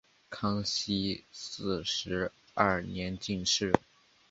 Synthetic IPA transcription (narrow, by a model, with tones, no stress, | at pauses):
kʰɑ˥ŋɕi˥sɹ̩˥˩ʂɻ̩˧˥ | ɐ˥˩njɛ˧˥nt͡ɕi˥˧ŋʂɻ̩˥˩